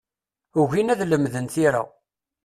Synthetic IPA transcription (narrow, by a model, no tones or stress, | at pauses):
uʝinæðləmðənθiɾa̰